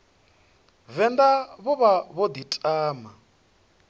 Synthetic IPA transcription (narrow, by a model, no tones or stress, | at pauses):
vɛnd̪aβɔβaβɔd̪itʼaːma